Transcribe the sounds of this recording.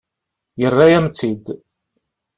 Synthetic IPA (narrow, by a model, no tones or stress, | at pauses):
jərˤːajæmt͡sːid̪